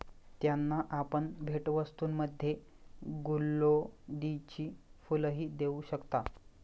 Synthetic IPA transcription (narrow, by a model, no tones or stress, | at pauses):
t̪janːaʔapəɳbʱeʈʋəst̪uːnməd̪ʱːje | ɡulːod̪it͡ɕiːfuləɦiːd̪euɕəkt̪a